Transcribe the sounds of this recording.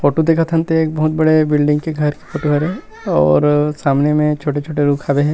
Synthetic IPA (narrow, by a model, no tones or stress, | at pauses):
foːʈod̪eːkʰət̪ɦɐ̃nt̪eeːk̚bɐɦʊt̪̚bɐɽebɪlɖɪ̃ŋɡkeɡʱɐɾke̥foːʈoɦɐɾɦɛ | ɔːɾsaːmnemẽt͡ʃʰoːʈet͡ʃʰoːʈeɾuːkʰaːbeɦɛ̃ː